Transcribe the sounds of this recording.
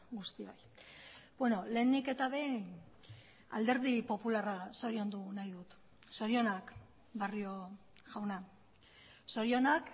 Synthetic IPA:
ɡust̪io̰j | bweno̞le̞ːnike̞t̪aβe̞ | a̰ld̪e̞ɾðipo̞pularaso̞ɾio̞nd̪unajðut̪ | so̞ɾio̞nak | bario̞ | ʝawna | so̞ɾio̞nak

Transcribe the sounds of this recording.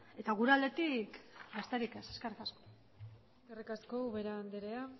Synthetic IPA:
e̞t̪aɣ̞uɾeald̪e̞t̪ikɡast̪eɾikeseskerikasko | eskerikaskouβeɾand̪eɾea

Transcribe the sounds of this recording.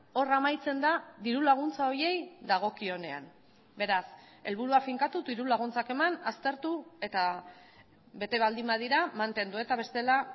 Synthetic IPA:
o̞ramajt͡se̞nd̪aðiɾulaɣ̞unt͡sao̞ɾje̞jd̪aɣ̞o̞kio̞ne̞a̰n | be̞ɾas | e̞lβuɾuafiŋkat̪ut̪iɾulaɣ̞unt͡sake̞manast̪e̞ɾt̪ue̞t̪a | be̞t̪e̞βald̪imbaðiɾamant̪e̞nd̪ue̞t̪aβ̞e̞st̪e̞la

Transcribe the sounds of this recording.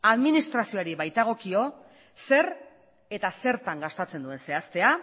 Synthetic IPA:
aðminist̪ɾasio̞aɾiβajt̪aɣ̞o̞kio̞ | se̞ɾ | e̞t̪ase̞ɾt̪aŋɡast̪at͡se̞nd̪ue̞nse̞ast̪e̞a

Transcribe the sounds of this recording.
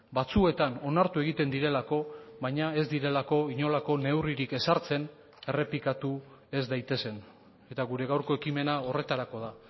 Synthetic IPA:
bat͡sue̞t̪ano̞naɾt̪ue̞ɣ̞it̪e̞nd̪iɾe̞lako̞βajɲae̞zd̪iɾe̞lako̞iɲo̞lako̞ne̞wriɾike̞saɾt͡se̞n | e̞re̞plikat̪u | e̞zd̪ajt̪e̞se̞n | e̞t̪aɣuɾe̞ɣawɾko̞e̞kime̞nao̞re̞t̪aɾako̞ð̞a

